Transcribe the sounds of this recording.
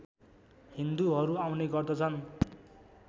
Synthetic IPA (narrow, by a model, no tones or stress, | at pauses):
hind̪uɦʌɾuawneɡʌrd̪ʌt͡sʰʌn